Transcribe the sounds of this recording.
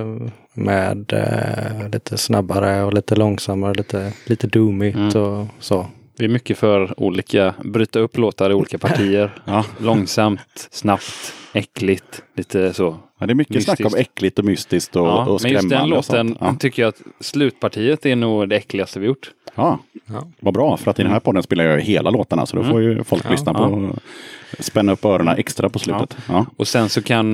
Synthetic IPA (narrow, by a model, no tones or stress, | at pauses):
mɛ̰ːd̪ | liːt̪ʰəsnabːaɾəɔliːt̪əlɔŋsamːaɾəliːt̪ʰəliːt̪əd̪uːmɪt̪ʰɔsoː | vɪæɾmʏkːəfœɾṵːliːkʰabɾyːt̪aɵpːloːt̪aɾɪuːliːkapʰaʈʰiːəɾlɔŋsamt̪snapt̪ɛkːlɪɡt̪liːt̪ʰəsoː | d̪ɛɾmʏkːəsnakːɔmɛkːlɪt̪ɔmʏst̪ɪsk̚t̪ɔɔmɛnjɵɾɛsmːd̪ɛnloːən̰t̪ʰʏkːəjaat̪slʉ̟ːt̪pʰaʈʰiːət̪ɛɳuːɡd̪ɛɛklɪɡast̪əvɪjʊʈːɑːvabɾɑːfœɾat̪ɪd̪ɛnhæɾpʰɔd̪ːənspeːlaɾjɑjheːlʔaloːt̪aɳa̰sɔd̪ɔfoɾjɵfɔlklʏsnapʰɔ | spɛnːaɵpːœːɾʊɳa̰ʔɛkst̪ɾapɔslʉ̟ət̪ɑːɔsɛnsɔkʰan